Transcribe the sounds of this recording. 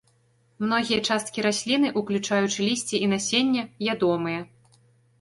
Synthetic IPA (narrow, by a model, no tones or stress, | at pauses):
mnɔɣʲijɐt͡ʂast̪̚kʲiɾasʲlʲinɨʔuklʲut͡ʂajut͡ʂɨlʲisʲt͡sʲiinasʲenʲːɛvʲad̪ɔmɨjɐ